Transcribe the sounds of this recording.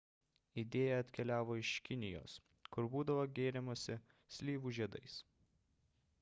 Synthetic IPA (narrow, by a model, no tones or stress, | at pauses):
ɪd̪ʲeːjɛɐt̪ʲkʲɛlʲæːʋoːɪʃkʲɪnʲɪjo̰ːs | kʊɾbuːd̪ɐʋoːɡʲeːɾʲɛmosʲɪ | sʲlʲiːʋuːʒʲiɛd̪ɐɪs